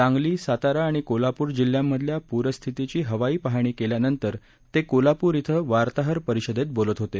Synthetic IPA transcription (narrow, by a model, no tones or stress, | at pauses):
ãŋɡliːsat̪aɾaːɽ̃ikolapuːɾd͡ʑil̤jamːəd̪ʱljapuɾəst̪ʰit̪it͡ɕiːɦəʋaiːpaɦaɳ̃iːkeljanənt̪əɾ | t̪ekolapuːɾit̪ʰəʋaɾt̪aɦəɾpəɾiɕəd̪et̪̚bolət̪ɦot̪e